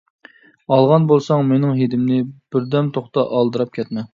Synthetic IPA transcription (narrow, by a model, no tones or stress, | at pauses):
ɑlˠʁɑnbolˠsɑŋmenɪŋɦed̪ɪmnɪb̥ɪɾd̪ɛmt̪ʰoχt̪ɑʔɑlˠd̪ɨɾɑp̚kʲʰɛt̪mɛ